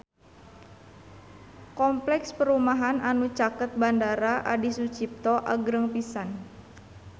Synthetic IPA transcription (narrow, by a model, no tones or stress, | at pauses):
kɔmplɛkspəɾumaɦananut͡ʃakət̪̚bandaɾaʔa̰disut͡ʃip̚t̪ɔʔaɡɾəŋpisan